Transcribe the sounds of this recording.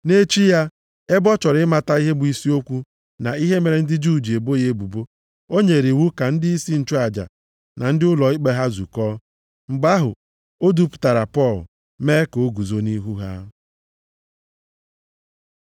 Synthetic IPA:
ne˦t͡ʃi˦ja˦ | e˦bɔ˦t͡ʃɔ˨ɾɪ˦ma˨ta˦i˦ɦe˦bʊ˨i˦si˦o˦kʷu˦ | na˨i˦ɦe˦me˨ɾe˨n̩˦dɪ˦d͡ʒu˦˨d͡ʒi˨e˨bo˦je˦bu˨bo˦ | o˦ɲe˨ɾi˨wu˦ka˨n̩˦dɪ˦i˦si˦n̩˨t͡ʃo˦a˨d͡ʒa̰˨ | na˨n̩˦dɪ˦ʊ˦lɔ˨i˦k͡pe˦ɦa˦zṵ˨kɔː˦ | ŋ͡m̩˨ɡ͡ba˦ɦʊ̰˨ | o˦du˦pʊ̥˨ta˨ɾa˨pɔ˦˨lʊ̰˨ | me˦ko˦ɡu˨zo˦ni˦ɦu˦ɦa̰˦

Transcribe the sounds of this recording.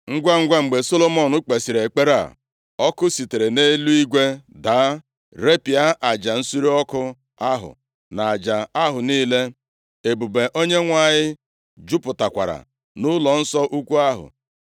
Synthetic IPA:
ŋ̩˦ɡʷa˦ŋ̩˦ɡʷa˦ŋ͡m̩˨ɡ͡be˨so˦lo˦mɔ˦˨nʊ˦k͡pe˨si˨ɾe˨k͡pe˦ɾa̰˨ | ɔ˦kʊ˦si˨te˨ɾe˨ne˦lu˦i˦ɡʷe˦da˨˦ | ɾe˦pi˨a˦ʔa˨d͡ʒa˨n̩˦su˦ɾi˦ɔ˦kʊ˦ | a˦ɦʊ̰˨ | na˨d͡ʒa˨a˦ɦʊ˨niː˦le˦ | e˨bu˨be˨ʔo˦ɲe˦ŋʷa˦˨ɲɪ˦ | d͡ʒʊ˦pʊ˨ta˨kʷa̰˨ɾa̰˨ | nʊ˦lɔ˨n̩˦sɔ˦ʔu˦kʷu˦a˦ɦʊ̰˨

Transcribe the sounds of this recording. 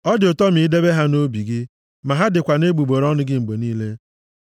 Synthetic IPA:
ɔ˦dɪ˨ʊ˨tɔ˦mi˨˦de˦be˦ɦa˦no˦bi˨ɡɪ˦ | ma˨ɦa˦dɪ˨kʷa˨ne˦ɡ͡bu˨ɡ͡bo˨ɾɔ˦nʊ˦ɡɪ˦ŋ͡m̩˨ɡ͡bo˨niː˦le˦

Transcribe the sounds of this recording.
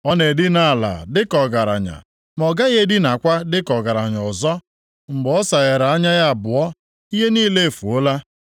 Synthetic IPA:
ɔ˦ne˨di˦na˨la̰˨dɪ˦kɔ˨ɡa˨ɾa̰˨ɲa̰˨ | m˨ɔ˨ɡa˦je˦dɪ˦na˨kʷa˦dɪ˦kɔ˨ɡa˨ɾa˨ɲ˨ɔ˨zɔ˦ | ŋ͡m̩˨ɡ͡bɔ˦sa˨ɣe˨ɾa˨a˦ɲa˦ja˦a˨bʊ˨ɔ˦ | i˦ɦe˦niː˦le˦e˨fu˨o˦la˦

